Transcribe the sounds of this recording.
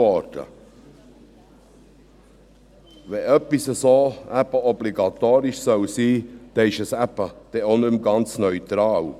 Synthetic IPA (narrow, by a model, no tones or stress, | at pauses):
ɔɾd̥ə̰ | ʋɛʔœpːisəsoːæpəɔbliɡɑt̪oːɾɪʃsœwsiːd̪̥ɛɪʃəsæpəd̪̥ɛonʏmɡɑnt͡snœʏt̪ɾɑːl